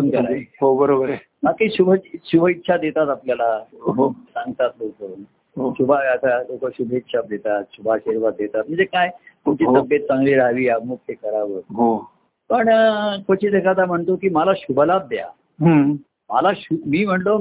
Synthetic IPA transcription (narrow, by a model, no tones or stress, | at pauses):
ənkəɾaɦobəɾobəɾe | makiɕubʱəɕubʱəit̪ːɕʰad̪et̪at̪apljalaɦsãŋɡt̪at̪loko | ɦoɕubʱaʋat̪alokəɕubʱəit̪ːɕʰad̪et̪at̪ɕubʱaɕiɾʋat̪̚d̪et̪at̪̚m̤əɳnd͡zekajt̪umt͡ɕiːɦt̪əbjet̪̚t͡sãŋɡliːɾaʋiːamukt̪ʰekəɾaʋət̪ɦo | pəɳkʰot͡ɕiːd̪ekʰat̪am̤əɳt̪okiːmalaɕubʱəlat̪̚d̪ja̰ | ɦ | malaɕumiːm̤əɳlo